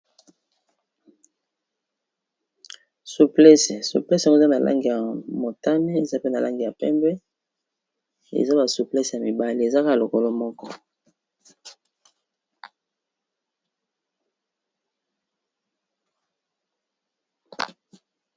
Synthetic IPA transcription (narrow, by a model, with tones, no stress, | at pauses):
su˨plɛ˦se˨sṵ˨plɛ˦sa˦ɡo˦˨za˦na˨lʔa̰˦ŋɡi˨ja˨mo˨ta˦ne˦e˨za˦pe˦na˨la˦ŋɡi˨ja˨pɛ˦mbɛ˦ | ḛ˨za˦ba˨su˨plɛ˦sja˨mi˨ba˦li˦e˨za˦ka˦a˨lo˨ko˦lo˦mɔ˦kɔ˦